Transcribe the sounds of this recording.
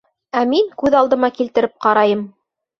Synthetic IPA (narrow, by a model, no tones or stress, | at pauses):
æmiŋkʉðɑlˠd̪ɤ̆mɑkilt̪ɘ̆ɾɘp̚qɑɾɑjɤm